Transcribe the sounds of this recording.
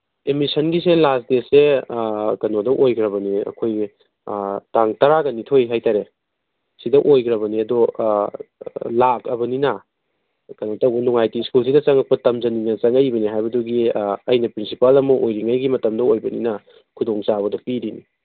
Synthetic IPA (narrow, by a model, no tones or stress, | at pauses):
emisɐnɡis̬elasdese | kɐnodɐʔojkɾɐbɐniɐ̰kʰoj | taŋtɐɾaɡɐnitʰojɦajtaɾe | sidɐʔojɡɾɐbɐniɐdɔ | lak̚ɐbɐninɐ | kɐnotɐbunuŋajtiskuls̬ʰidɐt͡ʃɐŋɐk̚pɐtɐmd͡ʒɐninɐt͡ʃɐŋɐjbɐniɦajbɐduɡiɐjnɐpɾinsipalɐmɐʔojɾiŋajɡimɐtɐmdɐojbɐninɐ | kʰudoŋt͡ʃaβɐdɔpiɾini